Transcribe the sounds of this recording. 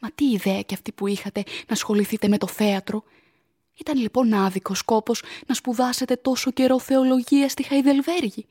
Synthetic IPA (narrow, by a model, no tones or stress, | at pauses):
mɐt̪iːðe̞ɐceɐft̪ipuixɐt̪e̞nɐsxo̞liθit̪e̞me̞t̪o̞θe̞ɐt̪ɾo̞ | it̪ɐnlipo̞nɐðiko̞sko̞po̞znɐspuðɐse̞t̪e̞t̪o̞so̞ce̞ɾo̞θe̞o̞lo̞ʝiɐst̪ixɐiðe̞lve̞ɾʝi